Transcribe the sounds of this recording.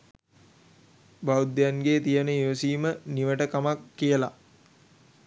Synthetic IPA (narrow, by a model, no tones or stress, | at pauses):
baud̪janɡeːt̪ijənəiʋəsiːməniʋəʈəkamakːijəla